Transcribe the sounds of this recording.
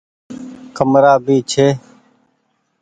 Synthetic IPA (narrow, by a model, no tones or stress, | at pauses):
kəmɾaːbiːt͡ʃʰeː